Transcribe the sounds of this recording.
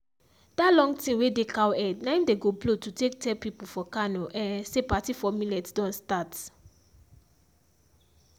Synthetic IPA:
d̥alɔ̃ŋɡtĩnwedekawɛdnãɪ̃ndeɡoblotutek̚tʰɛpipufɔkanoʔɛ̃nsepatifɔmĩlɛtdɔ̃nstat

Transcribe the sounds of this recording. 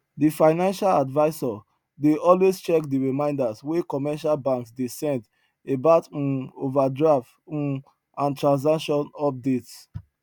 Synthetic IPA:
difaɪnãnʃaladvaɪsɔ | deʔɔlwest͡ʃɛkdiɹimãɪ̃ndaswekɔmɛʃalbãŋksdesɛ̃nd | ebat̩ovadɹaft̩ | ãntɹãns̬akʃɔ̃nɔp̚dets

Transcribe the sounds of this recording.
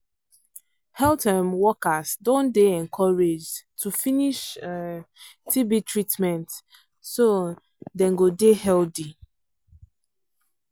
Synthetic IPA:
hɛlˠtʰɛmwɔkasdõndeɛ̃nkʰɔɹed͡ʒtʰufiniʃ | tʰibitɹitmɛ̃nt | so | dɛ̃nɡodehɛldi

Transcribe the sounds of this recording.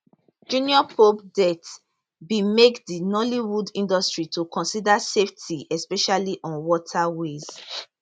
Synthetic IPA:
d͡ʒũniɔpʰopdɛt | bimekdinɔliwudĩndɔstɹitukʰɔ̃nsidaseftʰiɛspɛʃaliʔɔ̃nwɔtʰawez̥

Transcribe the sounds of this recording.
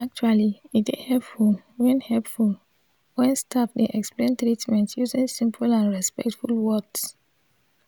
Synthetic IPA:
ak̚t͡ʃualiitehɛpfulwɛ̃nhɛlpful | wɛ̃nstʰafdeʔɛksplẽntɹitmɛ̃ntjuzĩŋsĩmpʰulãnɹɛspɛ̰k̚tfulwɔks

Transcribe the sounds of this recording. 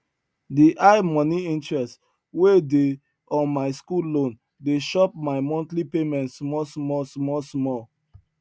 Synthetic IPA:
diʔaɪmɔ̃niĩntɹɛst | wede | ɔ̃maɪskulõn | deʃɔp̚maɪmɔ̃ntlipemɛ̃ntsmɔsmɔsmɔsmɔ

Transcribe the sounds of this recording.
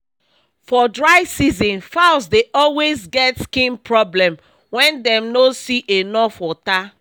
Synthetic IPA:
fɔdɹaɪsizɔ̃nfaʊsdeʔɔlwezɡɛtskĩnpɹɔblɛ̃m | wɛ̃ndɛ̃mnosiʔenɔfwɔta

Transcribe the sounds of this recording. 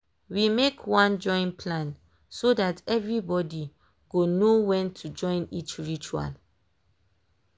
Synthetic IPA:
wimekʰwãnd͡ʒɔ̃ɪ̃npʰlãn | sodatɛvɹibɔdi | ɡ̥onowɛ̃ntʰud͡ʒɔ̃ɪ̃nit͡ʃɹit͡ʃua̰l

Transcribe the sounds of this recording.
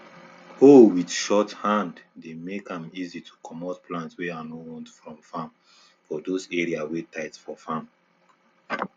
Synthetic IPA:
owidʃɔthãnddemekãmizitʰu̥kʰɔmɔtpʰlãntswɛãnowɔ̃ntfɹɔ̃mfãm | fɔdozɛɹiawetʰaɪtfɔfãm

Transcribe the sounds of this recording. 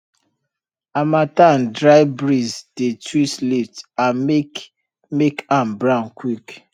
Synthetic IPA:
amatandɹaɪbɹizd̥etwislitam | mekãmbɹãʊnkwik

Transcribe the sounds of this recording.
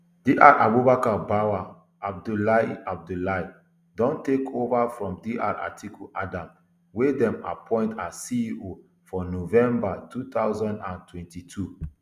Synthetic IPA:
diʔaɾʔabubakabawa | ab̚dulaab̚dulai | dɔ̃ntekʰovafɹɔ̃mdiʔa̰ɹa̰tʰikuʔadãm | wedɛ̃ma̰pʰɔ̃ɪ̃ntasiio | fɔnovɛ̃mbatut̪aʊzɔ̃ndãntʰwɛ̃ntitʰu

